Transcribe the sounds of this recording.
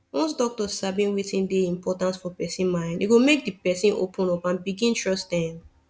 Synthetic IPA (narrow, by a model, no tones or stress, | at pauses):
wɔ̃nsdɔk̚tɔsabĩnwitĩndeĩmpɔtãntsfɔpɛsĩnmãɪ̃ndiɡomek̚dipɛsĩno̰pʰũnɔpãnbiɡĩntɹɔstãm